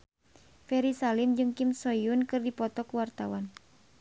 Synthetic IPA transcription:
fɛɾisalimd͡ʒɨŋkimsɔjunkɨrdipɔt̪ɔkuwart̪awan

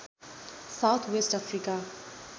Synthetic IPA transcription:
saʊt̪ʰwesʈafɾika

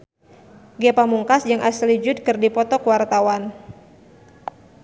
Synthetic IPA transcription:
ɡepamuŋkasd͡ʒɨŋʔaslid͡ʒʊd̪̚kɨrdipɔt̪ɔkwart̪awan

